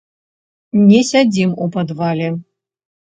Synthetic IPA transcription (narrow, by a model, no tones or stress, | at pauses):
nʲɛsʲad͡zʲimupɐd̪valʲɛ